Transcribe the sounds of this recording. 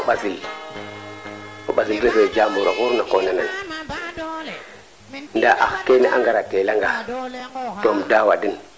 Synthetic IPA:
ɓazil | oɓazilɾəsed͡ʒamuɾaɣuɾnakonanan | ndaʔa̰xkeniʔaŋɡaɾatelaŋɡa | tomdawadin

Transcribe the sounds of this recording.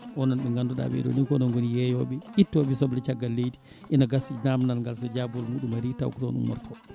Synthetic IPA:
ʔɔnɔnɓɛŋɡanduɗa̰ɓɛ̰dɔ̰nikɔnɔnɡonijɛjɔɓɛitːɔɓɛsɔblɛt͡ʃaɡːalːejdi̥ | ʔinaɡasid͡ʒnamnalŋɡals̬ɔd͡ʒabɔlmuɗumaɾita̰wku̥tɔ̰nṵnwɔ̰ɾtʰɔ

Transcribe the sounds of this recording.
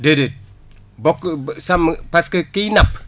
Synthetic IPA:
dedet̚ | boksampaskəkijnap

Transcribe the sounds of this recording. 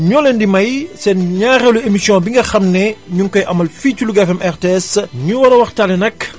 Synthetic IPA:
ɲɔːlɛndimɐjsɛnɲaːɣɛluemisjɔ̃biŋɡɐxɐmnɛɲuŋkɔjʔɐmːɐlfiːtuluɡafɛmʔɛrteɛsɲuwɐɾɐwɐxtaːlɛnɐk

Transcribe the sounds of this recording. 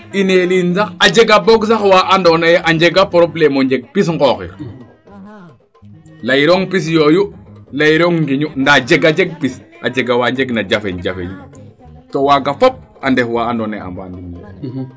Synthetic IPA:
ineliːnsaxad͡ʒeɡabɔɡs̬axwaʔandonajeʔaɲd͡ʒeɡapɔɾoplemoɲɟeɡ̚pis̬ŋɡɔxḭɾ | lajiɾoːŋpis̬joːjulajiɾoŋɡiɲundad͡ʒeɡad͡ʒɛɡ̚pisad͡ʒeɡawaɲd͡ʒeɡnad͡ʒafeɲd͡ʒafḛɲ | towaɡafɔp̚ | andefwaandonaja̰mba̰ːndinjḛ

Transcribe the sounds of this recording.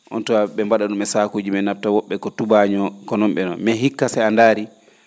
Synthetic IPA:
ʔɔ̰ntɔaɓɛmbaɗaɗumɛsaːkuːd͡ʒimɛnap̚tawɔɓːɛkɔtubaɲɔkɔnɔmɓɛnɔnmɛɦikːasɛandaːɾi

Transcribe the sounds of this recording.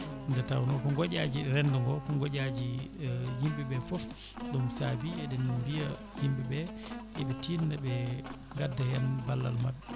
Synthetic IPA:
ndɛtawnɔkɔŋɡɔɟad͡ʒiɾɛndɔŋɡɔkɔŋɡɔd͡ʒad͡ʒihimbɛɓɛfɔf | ɗumsabiɛɗɛnumbija | himbɛbɛ | ʔɛɓɛtindaɓɛ | ŋɡadːahɛnbalːa̰lmabɛ

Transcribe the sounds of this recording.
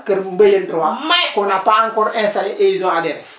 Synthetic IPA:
kəɾm̩bejentɾuwakonapaŋkɔɾɛ̃nsaliʔezɔ̃adɛɾɛ

